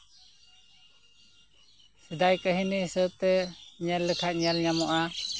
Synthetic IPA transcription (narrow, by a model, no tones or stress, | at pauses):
sid̪ajkəɦinisət̪ɛɲɛlːəkʰat̪̚ɲɛlɲamɔʔa